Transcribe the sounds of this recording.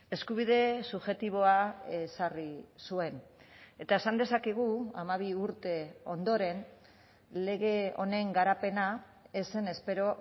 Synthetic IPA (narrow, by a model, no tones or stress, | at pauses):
e̞skuβ̞ið̞e̞suβʝe̞t̪iβ̞o̞aesarisue̞ne̞t̪ae̞sand̪e̞sakeɣ̞uamaβ̞iuɾt̪e̞o̞̰nd̪o̞ɾe̞n | le̞ɣe̞o̞̰ne̞ŋɡaɾape̞na | ese̞ne̞spe̞ɾo̞